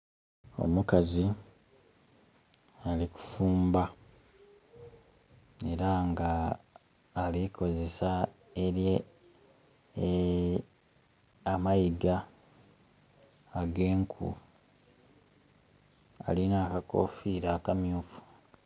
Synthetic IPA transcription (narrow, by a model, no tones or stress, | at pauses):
o̞̰mukazi | aliku̥fuːmba | e̞ɾaŋɡaː | likʰo̞ze̞sa | eɾje | amajiɡa | ɡe̞ːŋkʰṵ | a̰linaːkako̞̰fiːɾaːkamjuːfu̥